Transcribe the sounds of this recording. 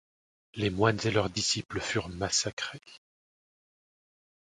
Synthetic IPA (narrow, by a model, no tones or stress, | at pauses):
lemwanzelœʁd̪isipləfyʁmasakχe